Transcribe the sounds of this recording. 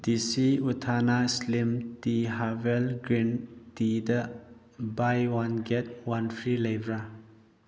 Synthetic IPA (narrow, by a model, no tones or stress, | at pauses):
disiutʰanaslimtiɦavelɡɾintidɐ | bajwanɡet̚wanpʰɾilejbɾa